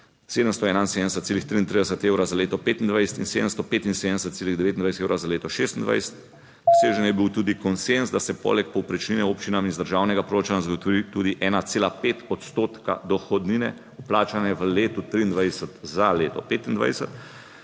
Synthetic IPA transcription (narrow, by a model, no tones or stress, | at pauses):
seːd̪əmst̪ɔɛːnainsed̪nd̪ɛsət̪seːlixt̪ɾiːnt̪ɾid̪ɛsət̪eːwɾazaleːt̪ɔpeːt̪ind̪ʋajsɛ̥t̪inseːd̪əmst̪ɔpeːt̪inseːd̪ənɛs̬ət̪seːliɣd̪ɛʋeːt̪ind̪ajsɛt̪eːwɾazaleːt̪ɔʃeːst̪ind̪ʋa̰jsə̥t̪ | ɔseːʒənjɛbiwt̪uːd̪ikɔnsenzd̪asɛpɔ̰lɛk̚pɔwpɾɛt͡ʃninɛoːpt͡ʃinaminzd̪əɾʒaːwnɛɡapɾoːt͡ʃanazaɡot̪ɔʋit̪uːd̪iʔɛːnat̪seːlapeːt̪ɔt̪st̪oːt̪ka̰d̪ɔxɔd̪ninɛ | uplaːt͡ʃanɛʋəleːt̪ut̪ɾiːnd̪ʋajsət̪zaleːt̪ɔpeːt̪ind̪ʋa̰jsət̪